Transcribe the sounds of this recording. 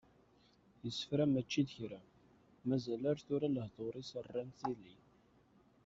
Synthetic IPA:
jəsːə̥fɾæmæt͡ʃːid̪çɾæ | mæzælaɾθʊɾaləhðˤoɾˤisərːænθilin

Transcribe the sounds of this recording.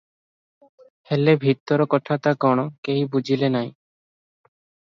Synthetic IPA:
helebʱit̪ːɔɾɔkɔʈʰat̪akɔɽ̃okejbud͡ʑʱilenaj

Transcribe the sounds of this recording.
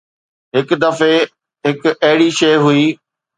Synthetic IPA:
ɦɪkd̪ɐfe | ɦɪkɐɦɪɽiʃɐːɦʊiː

